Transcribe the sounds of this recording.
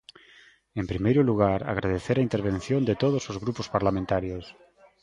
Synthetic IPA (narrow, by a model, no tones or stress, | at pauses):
empɾimejɾʊluɣ̞aɾa̰ɣ̞ɾaðeθeɾaint̪eɾβ̞ẽnθjõnd̪et̪oð̞osozɣɾupospaɾlamẽnt̪aɾjos